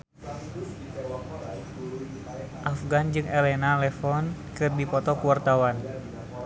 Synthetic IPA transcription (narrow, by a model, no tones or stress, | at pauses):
ʔafɡand͡ʒɨŋɛlɛnalɛfɔnkɨrdipɔt̪ɔkuwart̪awan